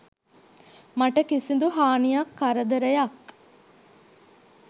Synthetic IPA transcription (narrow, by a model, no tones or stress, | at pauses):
mɐʈəkisind̪uɦaːnijɐkːɐɾɐd̪ɐɾɐjɐk